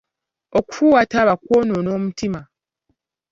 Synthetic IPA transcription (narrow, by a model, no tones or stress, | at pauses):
oku̥fuːwataβakwoːnoːno̞ːmutima